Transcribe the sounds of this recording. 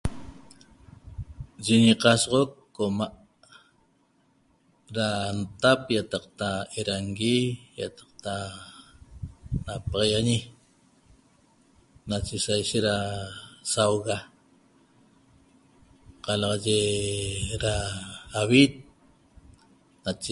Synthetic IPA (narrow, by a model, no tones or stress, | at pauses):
d͡ʒiɲiqɑsʁokːomaʔ | ɾant̪apjat̪ɑqt̪aeɾaŋɡijat̪ɑ̥q̚t̪a | napɑʁɑjaɲi | nat͡ʃesajʃet̪ɾasawɣa | qɑlɑʁɑʒe | ɾaawit̪̚ | nat͡ʃe